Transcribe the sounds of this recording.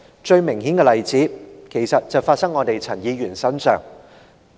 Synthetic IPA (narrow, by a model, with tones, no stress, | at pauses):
t͡ʃɵ˧ɥmɪ˨˩ŋhi˨˥nkɛː˧lɐ˨jt͡siː˨˥kʰe˨˩jsɐ˨t̚t͡sɐ˨wfaː˧t̚sɐ˥ŋɔː˨˧t̪e˨jt͡sʰɐ˨˩njiː˨˧ɥyː˨˩nsɐ˥nsœ̰ː˨ŋ